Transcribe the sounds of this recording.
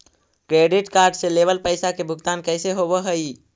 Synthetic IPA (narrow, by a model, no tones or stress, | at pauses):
kɾeɖiʈkaɾɖselebəlpəjsakebʱuɡt̪ankəjseɦoβəɦəj